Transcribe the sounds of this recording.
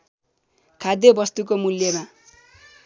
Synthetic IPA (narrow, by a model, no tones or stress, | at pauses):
kʰad̪jebʌst̪uk̬omuljema